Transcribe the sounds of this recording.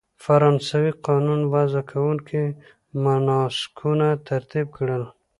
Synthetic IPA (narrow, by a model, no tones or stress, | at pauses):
faɾɑnsawiqɑnunwazakʰawuŋki | manɑsɪ̥kʰunat̪aɾt̪ib̚kɽəl